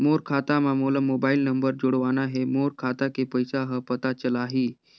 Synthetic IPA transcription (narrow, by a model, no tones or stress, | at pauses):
moɾkʰat̪amamoləmobailnəmbəɾd͡ʑoɽʋanaɦemoɾkʰat̪akepəjsaɦəpət̪at͡ɕəlaɦi